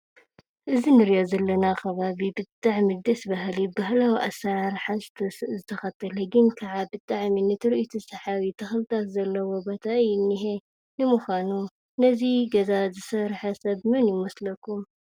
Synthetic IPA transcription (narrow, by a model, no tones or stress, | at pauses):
ʔɨzinɨɾjozɐlːɐnaxʰɐβaβibɨt̪ʼːaʕmid̪ɐsbahlibahlawiʔasaɾħast̪ʰɐszɨt̪ʰɐxɐt̪ʰːɐlɐɡɨnkʰɐʕabɨt̪ʼːaʕminɨt̪ʰɨɾʔit̪ʰusɐħaβit̪ʰɐxlɨt̪ʰat̪zɐlːɐwobot̪ʰajɪnːiɦe | nɨmuxʷanu | nɐziɡɐzazɨsɐɾħasɐβmɨnjɪmɐslɐkʰːum